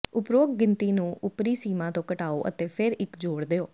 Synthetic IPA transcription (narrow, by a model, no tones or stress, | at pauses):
ʊpɾoːk̚ɡɪnt̪iːnũːʔʊpɾiːsiːmãːt̪õːkəʈaːoːʔə̰t̪eːpʰɪɾɪkd͡ʒoːɽd̪eːoː